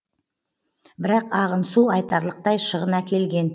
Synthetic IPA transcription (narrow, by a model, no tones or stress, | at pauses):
bɪɾɑqɑʁənsuɑjt̪ɑɾlˠəq̚t̪ɑjʃəʁənɑkʲe̞lɡʲe̞n